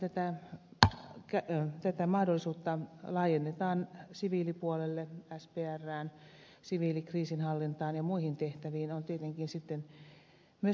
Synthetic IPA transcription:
t̪æt̪æ | kæt̪æt̪æmɑhdolːˑisuːt̪ːɑlɑːjenːet̪ɑːnsiʋiːlipuolelːeæspeːærːæːn | siʋiːlikriːsinhɑlːint̪ɑːnjɑmuihint̪eht̪æʋiːnont̪iet̪eŋkinsit̪ːen | myø

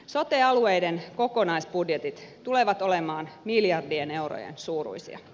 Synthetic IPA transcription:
so̞t̪eɑluejdenko̞ko̞nɑisb̥udjet̪it̪t̪ule̞ʋɑt̪o̞lemɑːnmiljɑrdiene̞uro̰jḛnsuːrṵjsḭɑ̰

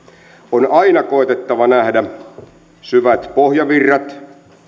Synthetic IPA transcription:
onʔɑinɑkoˑet̪et̪ːɑʋɑnæhdæ | syʋæt̪pohjɑʋirːɑt̪

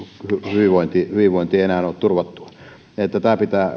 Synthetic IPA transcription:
hyhyʋiʋoint̪ihyʋiʋʋoˑint̪ieienæːnoːt̪t̪urʋɑt̪ːu̥ɑ̥ | et̪ːæt̪æːpit̪æː

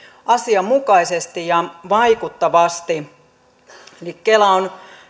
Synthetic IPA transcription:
ʔɑsiɑmmukɑisest̪ijɑʋɑikut̪ːɑʋɑst̪i | elikːelæon

